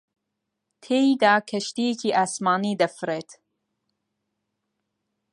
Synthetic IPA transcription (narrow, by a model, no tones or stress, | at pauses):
t̪ʰeːid̪aːkʰɐʃt̪ijecʰiːʔasmɑːniːd̪ɐfɾeːt̪